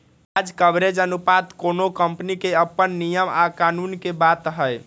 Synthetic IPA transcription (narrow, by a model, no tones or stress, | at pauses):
ad͡ʒkəbɾed͡ʒənupat̪konokəmpnikeəpːənːijəmakanunkebat̪ɦəj